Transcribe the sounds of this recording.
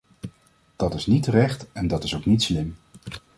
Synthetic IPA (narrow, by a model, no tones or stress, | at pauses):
d̥ɑtɪsnitərɛχtɛndɑtɪsowknitslɪm